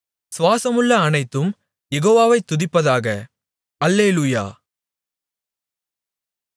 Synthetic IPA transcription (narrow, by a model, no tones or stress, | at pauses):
sʋaːsɐmɯɭːɐːnɐɪt̪ːɯm | jɛɣoːʋaːʋɐɪt̪ːʊðɪpːɐðaːɣɐ | ɐlːeːluja̰ː